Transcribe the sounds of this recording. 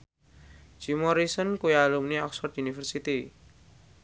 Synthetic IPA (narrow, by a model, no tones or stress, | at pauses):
d͡ʒ̥imɔɾisənkujalumniɔksɔt̪unifərsit̪i